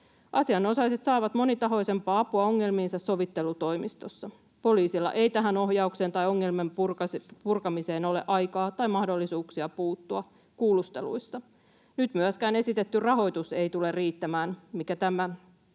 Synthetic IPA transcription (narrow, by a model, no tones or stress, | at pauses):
ʔɑsiɑno̞sɑjse̞t̪sɑːʋɑt̪mo̞nit̪ɑɦo̞jse̞mpɑːɑpuɑo̞ŋːe̞lmiːnsɑsːo̞ʋit̪ːe̞lut̪o̞jmist̪o̞sːɑ | po̞liːsilːɑ̰ʔe̞jt̪æɦæno̞hjɑukse̞ːnt̪ɑjo̞ŋːe̞lme̞mrpurkɑmise̞ːno̞le̞ʔɑjkɑːt̪ɑjmɑhdo̞lːisuːksiɑpuːt̪ːuɑ | kuːlust̪e̞̰lṵisːɑ | nyt̪myæskæːne̞sit̪e̞t̪ːyrɑɦo̞jt̪use̞jt̪ule̞rriːt̪ːæmæːnmikæt̪æmæ